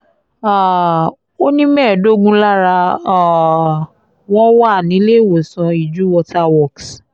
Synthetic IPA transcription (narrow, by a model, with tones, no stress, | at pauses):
a˨ | o˦nĩ˦mɛ̃ː˦˨do˦ɡũ˦la˦ɾa˧˨ | w̃ɔ̃˦wa˦˨nĩ˨˦le˦˨wo˨sɔ̃˧i˨d͡ʒu˨˦wɔ˧ta˦wɔ˦˨ks